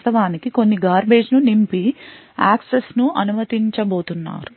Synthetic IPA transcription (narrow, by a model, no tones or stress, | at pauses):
t̪ɐʋaːnikiko̞nːiɡaːɾbe̞ːd͡ʒnunimpi | aːksesnuʔɐnumɐt̪iɲt͡ʃɐbo̞ːt̪unːa̰ːɾu